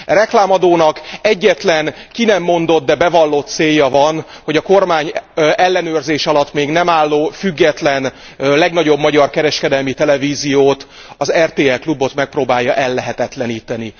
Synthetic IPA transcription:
rɛklaːmɒd̪oːnɒkɛɟːɛt̪lɛnkinɛmːo̞nd̪o̞t̪̚d̪ɛbɛvɒlːot̪seːjːɒvɒn | ho̞ɟɒko̞rmaːɲɛlːɛnøːrzeːʃɒlɒt̪ːmeːɡnɛmaːlːoːfyɡːɛt̪lɛn | lɛɡnɒɟo̞bmɒɟɒrkɛɾɛʃkɛd̪ɛlmit̪ɛlɛviːzijoːt̪ | ɒzɛrt̪eːɛlklubo̞t̪mɛk̚proːbaːjːɒʔɛlːɛɦɛt̪ɛt̪lɛniːt̪ɛni

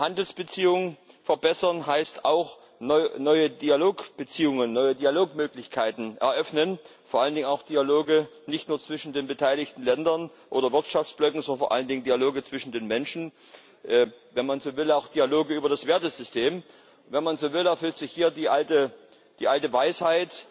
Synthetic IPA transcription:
handl̩sb̥ət͡siːʊŋəfɛɐbɛsɐnɦaɪstaʊx | nɔnɔʏədiːaloːkb̥ət͡siːʊŋənːɔʏədiːaloːkmøːklɪçkʰaɪtn̩ʔɛ̰ɐʔœfnənfoːɐʔaləndɪŋənaʊxd̥ialoːɡə | nɪçtnuːɐt͡sv̥ɪʃn̩deːnbətʰaɪlɪçtn̩lɛndɐn | ʔoːdɐvɪɐtʃaft͡sb̥lœkŋ̩zɔndɐn̩foɐʔa̰ləndɪŋəndiːaloːɡət͡sv̥ɪʃn̩deːnmɛnʃn̩ | ʔvɛnmanzoːvɪlaʊxd̥iːaloːɡəyːbɐdasv̥eːɐtəz̥ʏstʰeːm | vɛnmanzoːvɪlɛɐfʏltz̥ɪçhiːɐdiːʔaltə | d̥iːʔaltəvaɪshaɪt

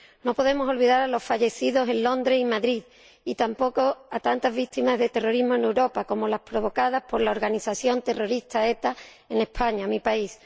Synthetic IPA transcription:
no̞po̞ð̞e̞mo̞so̞lβiðaɾalo̞sfaʝe̞θiðo̞se̞nlõ̞nd̪ɾeimaðɾið | it̪ampo̞ko̞at̪ant̪azβit̪imazðe̞t̪e̞ro̞ɾizmoenewɾo̞pako̞mo̞laspɾo̞βo̞kað̞aspo̞ɾlaoɾɣaniθaθjo̞nt̪e̞ro̞ɾist̪ae̞t̪a | e̞ne̞hpʰaɲamipais

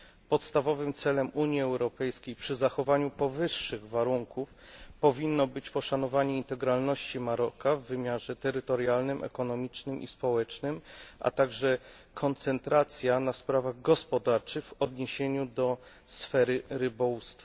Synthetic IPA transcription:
pɔt̪st̪avɔvɘmt̪sɛlɛmuɲiɛwɾɔpɛjskʲejpʂɘzaxɔvaɲupɔvɘʂːɘɣvaɾuŋkuf | pɔvʲinːɔbɘt͡ɕpɔʂanɔvaɲɛint̪ɛɡɾalnɔɕt͡ɕimaɾɔkavːɘmʲjaʐɛt̪ɛɾɘt̪ɔɾjalnɘmʔɛ̰kɔnɔmʲit͡ʂnɘmʔḭspɔwɛt͡ʂnɘmʔa̰t̪aɡʐɛ | kʰɔnt̪sɛnt̪ɾat̪sʲjanaspɾavaɣɡɔspɔd̪aɾt͡ʂɘxɣvɔd̪ɲeɕeɲud̪ɔ | sfɛɾɘɾɘbɔust̪fa

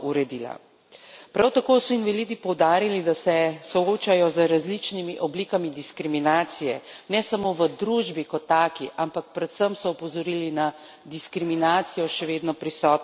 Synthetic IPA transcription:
uɾɛd̪iːla̰ | pɾawt̪akoːsɔinʋalid̪ipɔwd̪aːɾilid̪asɛsɔoːt͡ʃajɔzəɾazlit͡ʃnimiʔɔbliːkamid̪iskɾiminaːt̪sijɛnɛsamoːʋəd̪ɾuʒbikɔt̪ːaːkiʔampak̚pɾɛt̪səmsɔɔpɔzɔɾilina | d̪iskɾiminaːt̪sijɔʃɛʋeːd̪nɔpɾisɔːt̪

